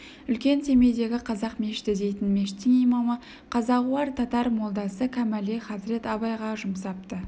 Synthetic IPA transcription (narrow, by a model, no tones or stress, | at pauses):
ʏlkʲe̞nse̞me̞jd̪e̞ɡʲɪqʰɑzɑqme̞ʃɪ̥t̪ɪd̪e̞jt̪ɪnme̞ʃɪ̥t̪ːɪŋijmɑmə | qʰɑzɑʁuɑɾt̪ʰɑt̪ɑɾmo̞lˠd̪ɑsəkʲʰæmæleχɑzɾe̞t̪ɑβɑjʁɑʒʊmsɑp̚t̪ə